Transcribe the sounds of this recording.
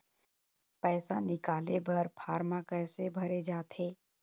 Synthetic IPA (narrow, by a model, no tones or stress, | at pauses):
pɛːsanɪkaːlebɐɾpʰaːɾmakɛːsebʱɐɾed͡ʒaːt̪ʰeː